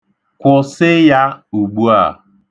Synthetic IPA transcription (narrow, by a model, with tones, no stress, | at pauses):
kʷʊ˨sɪ˦ja˦u˨ɡ͡bu˦a̰˦˨